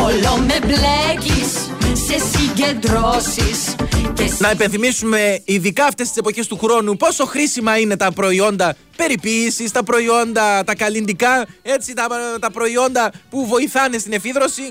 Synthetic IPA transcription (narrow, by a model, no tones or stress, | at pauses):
olomeblecisːesiɟend̪ɾosiscenɐepe̞nθimisume̞iðikɐːft̪est̪i̥se̞po̞çe̞st̪uxɾo̞nupo̞so̞xɾisimɐine̞t̪ɐpɾo̞io̞nd̪ɐ | pe̞ɾipiːsist̪ɐpɾo̞io̞nd̪ɐt̪ɐkɐlind̪ikɐe̞t͡sit̪ɐt̪ɐpɾo̞io̞nd̪ɐpuvo̞iθɐne̞st̪ine̞fiðɾo̞si